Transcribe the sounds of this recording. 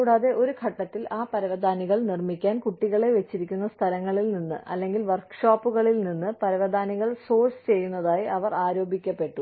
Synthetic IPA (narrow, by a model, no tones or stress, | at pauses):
kuːɽaːðe̞ʔo̞ɾukʰɐʈːɐt̪ːilaːpɐɾɐʋɐd̪ʱaːniɣɐɭnirmikʲːaːnkuʈːiɣɐɭe̞ʋet͡ɕːiɾikʲːunːɐst̪ʰɐlɐŋːɐɭilninːɨ̰ʔɐ̰lːe̞ŋɡilʋɐrkʂaːpːuɣɐɭilninːɨpɐɾɐʋɐd̪ʱaːniɣɐɭso̞ːrst͡ɕe̞jːunːɐðaːjiʔɐʋɐraːɾo̞ːbikʲːɐpːe̞ʈːu